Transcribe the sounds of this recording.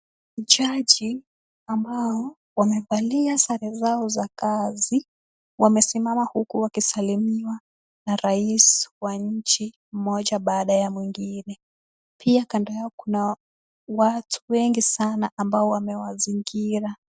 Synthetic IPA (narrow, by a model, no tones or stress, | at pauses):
ʄaʄi | ambaɔ | wamɛvaliasaɾɛzaɔzakazi | wamɛsimamahukuwakisalimiwa | naɾaiswaɲ̩t͡ʃi | m̩mɔʄaɓaːɗajamwiŋɡinɛ | pʰiakandɔjaɔkuna | watʰu̥wɛŋɡisanaʔambaɔwamɛwaziŋɡiɾa